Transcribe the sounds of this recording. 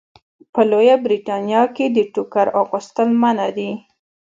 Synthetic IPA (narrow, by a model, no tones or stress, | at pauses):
pəlojabɾiʈɑnjɑked̪əʈukaɾɑɣust̪əlmanad̪i